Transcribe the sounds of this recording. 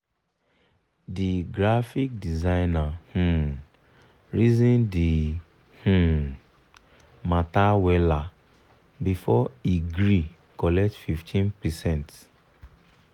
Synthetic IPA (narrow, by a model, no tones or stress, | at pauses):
diɡɾafik̚dizãɪnahũ | ɹizĩndi | hu | matawɛla | bifɔiɡɾi | kɔlɛk̚tfiftʰĩnpɛsɛ̃nt